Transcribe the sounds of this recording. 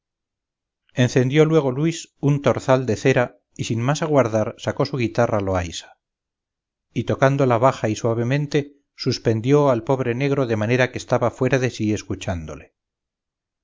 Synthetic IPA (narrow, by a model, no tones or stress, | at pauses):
e̞n̟θe̞nd̪jo̞lwe̞ɣ̞o̞lwisunt̪o̞ɾθald̪e̞θe̞ɾa | isinmasaɣwaɾðaɾsako̞suɣ̞it̪aralo̞ajsḁ | it̪o̞kand̪o̞laβaxaiswaβe̞mẽ̞nt̪e̞ | suspe̞nd̪jo̞alpo̞β̞ɾe̞ne̞ɣɾo̞ðe̞mane̞ɾake̞ːst̪aβafwe̞ɾaðe̞sie̞skut͡ʃand̪ole